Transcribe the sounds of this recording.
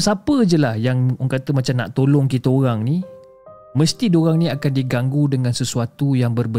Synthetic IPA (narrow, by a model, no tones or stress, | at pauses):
sapəd͡ʒəlahjaŋoŋkat̪əmat͡ʃamna̰ʔt̪olɔŋkit̪əoɾaŋnĩ | mə̃st̪idoɾaŋnĩakandiɡaŋɡudəŋãnsəsuat̪ujaŋbərbə